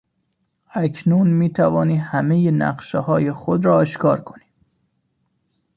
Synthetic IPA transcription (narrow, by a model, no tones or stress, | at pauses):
æcʰnunmiːt̪ʰævɒːniːhæmejenæ̰ɢʃehɒːjexod̪ɾɒːeʃkɒːɾkʰoni̥ː